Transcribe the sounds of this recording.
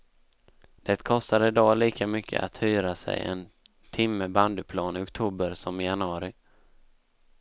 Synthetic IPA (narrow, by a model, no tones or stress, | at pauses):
d̪̥ɛt̪kʰɔst̪ad̪əɪd̪ɑːliːkʰamʏkʰːə̰ʔa̰t̪hyːɾasɛ̰jɛ̰n | t̪ʰɪmːəband̪əpʰlɑːnɪɔkt̪ʰuːbəɾsɔmɪjanəɑːɾɪ